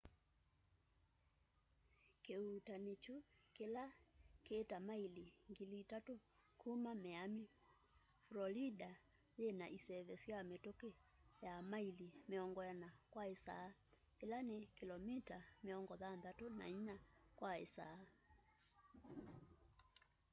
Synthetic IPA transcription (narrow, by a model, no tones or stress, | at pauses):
keutanit͡ʃukilakeːtamailiŋɡilitatukʰumamɛami | flɔlida | jenaʔisɛvɛsiamɛtokijamailimiɔŋɡɔjanakwaisa̰ː | ilanikilɔmitamiɔŋɡɔðanðatuna̰iɲakwaḭsa̰